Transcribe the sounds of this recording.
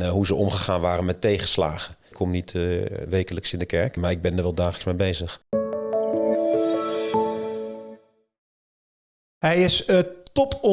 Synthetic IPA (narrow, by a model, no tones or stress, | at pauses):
ɦuzəʔɔmχəχaːnʋaːɾənmɛtːejχəsla̰ːχəkʰːɔmnitʋejkələksɪndəkɛɹkmaːɹɪɡ̚bɛndəɹʋɛlˠdaːχələksmejbejzəχ | ɦɛjɪsətɔpɔ